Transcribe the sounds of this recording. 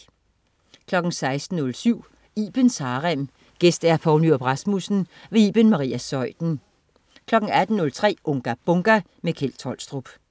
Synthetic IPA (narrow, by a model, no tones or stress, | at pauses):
kʰlɒ̽ɡ̥n̩sɑ̈ɪsd̥n̩ːɔ̽lsyʊ̰ | iːb̥ensɑ̈ːʁam | ɡ̥esd̥æɐfɒʊnyɐb̥ʁɑsmusn̩ʋe̝ḭːb̥enmɑ̈ʁḭːæsɒ̽ɪ̰d̥n̩ | kʰlɒ̽ɡ̥ŋ̩æd̥n̩nɔ̽lt͡sʰʁɛ̰ːʔɔŋɡ̥æb̥ɔŋɡ̥æ | mekʰelt͡sʰɒ̽l̰sd̥ʁub̥